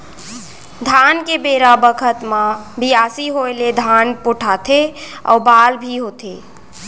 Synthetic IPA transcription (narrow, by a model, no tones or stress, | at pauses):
d̪ʱankebeɾabəkʰət̪mãbijasiɦoeled̪ʱanpoʈʰat̪ʰe | a̰balbʱiɦot̪ʰe